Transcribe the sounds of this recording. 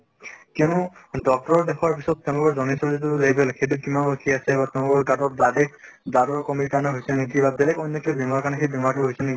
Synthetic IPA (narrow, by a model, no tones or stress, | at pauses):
kɛʊnudɔk̚tɔɹɔɹdɛxɔɹpisɔt̚tːɛʊ̃nɡɔɹzɔnisɔɹzit̬ulebɛlxejt̬ukimanokʰiasɛbat̪ɛʊ̃nɔɡɔɹɡatɔt̚dadɛkdadɔɹkɔmikanɔɦojsɛekibabɛlɛkɔjnːɔkʰibʱimaɹkanɛkʰebʱimaɹkʰibɦojsɛnɛk